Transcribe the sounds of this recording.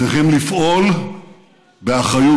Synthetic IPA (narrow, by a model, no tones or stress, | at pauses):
ʁiχimlifʔo̞l | beaχaju